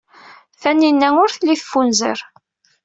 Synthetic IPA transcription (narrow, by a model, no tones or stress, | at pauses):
θænːinːæŋʊɾθlːiθfːunzə̰ɾ